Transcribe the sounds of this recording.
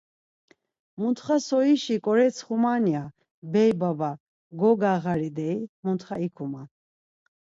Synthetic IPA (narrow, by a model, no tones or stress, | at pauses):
munt̪χasɔiʃikʼɔɾɛt͡sʰχumania | bɛjbaba | ɡɔɡaʁaɾid̪ɛimunt̪χaikʰuman